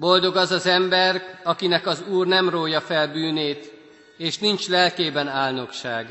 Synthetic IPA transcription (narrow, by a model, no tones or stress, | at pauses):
bo̞ld̪o̞ɡɒzɒzɛmbɛrɒkinɛkɒzuːrnɛmroːjɒfɛlbyːneːt̪ | eːʃnint͡ʃlɛlkeːbɛnaːlno̞kʃaːɡ